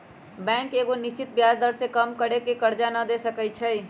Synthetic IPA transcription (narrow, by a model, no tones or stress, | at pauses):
bɛ̃ŋkeɡonist͡ʃit̪bjad͡ʒd̪əɾsekəmkəɽekekəɾd͡ʒanəd̪esəkət͡ʃʰəj